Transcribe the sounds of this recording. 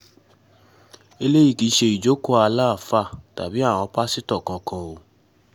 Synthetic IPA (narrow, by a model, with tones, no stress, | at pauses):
e˧le˦i˦˨ki˧ʃe˧i˨d͡ʒo˨˦ko˦a˧la˦˨fa˦˨ta̰˨bi˨˦a˦˨w̃ɔ̃˧˦pa˦si˦tɔ˦˨kã˧kʰã˧o˨